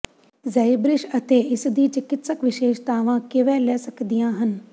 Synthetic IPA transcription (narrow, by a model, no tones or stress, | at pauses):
zɐibɾɪʃɐt̪eːɪsd̪iːt͡ʃɪkɪt̪səkʋɪʃeːʃt̪aːʋãkɪʋɛːlɛːsɐkd̪ijãːɦən